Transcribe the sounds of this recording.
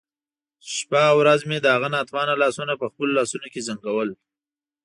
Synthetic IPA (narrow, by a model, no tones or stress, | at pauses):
ʃpawɾazmed̪əɦaɣanɑt̪wɑnalɑsunapəxpəlolɑsunokezaŋɡawəl